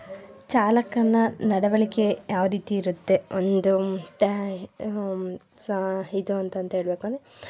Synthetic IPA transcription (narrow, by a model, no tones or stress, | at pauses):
t͡ʃaːlɐkːɐnːɐnɐɽɐʋɐɭikejʔaːʋɐɾiːt̪iːɾut̪ːe̞ond̪ut̪ | sid̪uɐnt̪ɐnt̪ɐɦeːɭbeːkon